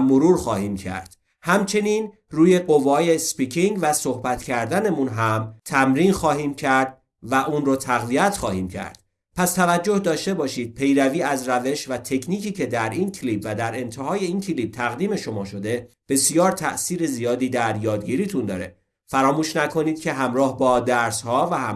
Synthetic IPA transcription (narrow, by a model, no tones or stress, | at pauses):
moɾuːɾxɒːhiːmcʰæ̰ɾd̪̥ | hæmt͡ʃʰe̞niːn | ruːje̞ɢo̞vɒːjespicʰiŋɡvæso̞hbæt̪ʰcʰæɾd̪ænemunɦæmt̪ʰæmɾiːnxɒːɦiːmcʰæɾd̪̥̚ | væʔuːnɾot̪ʰæɣviæt̪χɒːhiːmcʰæ̰ɾd̪̥ | pʰæst̪ʰævæd͡ʒːo̞hd̪ɒːʃt̪e̞bɒːʃiːd̪̥̚pʰe̞jɾæviːæzɾæve̞ʃvæt̪ʰe̞kʰniːcʰiːcʰe̞d̪æɾiːncʰliːbvæd̪æɾe̞nt̪ʰeɦɒːje̞iːncʰiliːb̥̚t̪ʰæɣd̪iːme̞ʃo̞mɒːʃo̞d̪e̞ | b̥e̞sijɒːɾt̪ʰæ̰ʔsiːɾe̞zijɒːd̪iːd̪æɾjɒːd̪̚ɡiːɾiːt̪ʰund̪ɒ̰ːɾe̞̰ | fæɾɒːmuːʃnækʰo̞niːd̪̥̚cʰe̞ɦæmɾɒːhbɒːd̪æɾshɒːvæhæm